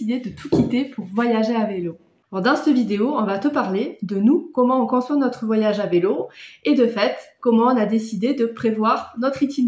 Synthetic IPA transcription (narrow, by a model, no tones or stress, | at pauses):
id̪ed̪ət̪ʰukʲit̪epʰuʁvwajaʒeavelo | ɔʁd̪ɛ̃st̪əvid̪eoɔ̃vat̪əpaʁled̪ənukɔmɑ̃ɔ̃kɔ̃swanɔt̪χəvwajaʒaveloed̪əfɛt̪kɔmɑ̃ɔ̃nad̪esid̪ed̪əpχevwaʁnɔt̪χit̪im